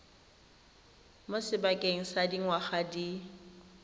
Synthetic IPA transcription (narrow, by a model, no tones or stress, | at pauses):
mʊsɪbakʼeŋ̩sadiŋwaχadi